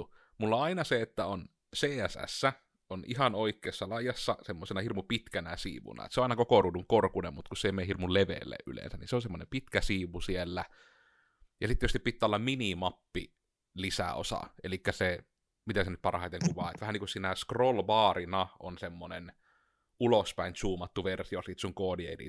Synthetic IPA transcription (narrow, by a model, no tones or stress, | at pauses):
mulːɑɑinɑseet̪ːæon | seːæsæ̰sːæ | ʔonʔihɑnoikːˑeˑːsːɑlɑijɑsːɑsemːosenɑhirmupit̪kænæsḭːʋṵnɑ̰ˑḛt̪soʔɑˑinɑkokoruːduŋkorkunemmut̪kusseˑmeːhirmulleʋḛlːḛːʔʔy̰lḛnsæninseonsemːonempit̪kæsiːʋusielːæ | jɑsit̪t̪ietyst̪ipit̪ːæːlːɑmminimɑpːi | lisæ̰o̰sɑ̰ʔḛlikːæse | mit̪æsenyt̪̚pɑrhɑˑit̪eŋkuʋɑːet̪ʋæhæniŋkussiːnæskrolʋɑːrinɑʔonsemːonen | ulospæˑint͡ʃuːmɑt̪ːuʋersiosiːt̪suŋkoːdiḛidḭ